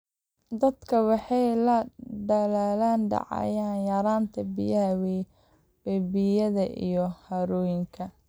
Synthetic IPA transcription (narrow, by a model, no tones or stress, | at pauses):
d̪ɐd̪kʰɐwɑħɑjlɐɖɐlaːlaːnɖɑ̰ʕɑ̰jaːnjɐɾaːnt̪ʰɐbḭjɐɦɐw | wɛbɪjɐðɐʔḭjɔhɐɾɔːjɪŋkʰɐ